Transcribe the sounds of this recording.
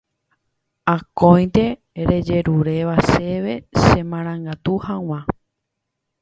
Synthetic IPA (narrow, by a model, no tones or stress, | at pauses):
akõj̃nt̪e̞ | ɾe̞d͡ʒe̞ɾuɾe̞ʋase̞ʋe̞sẽmãɾ̃ãŋɡat̪uhãw̃ã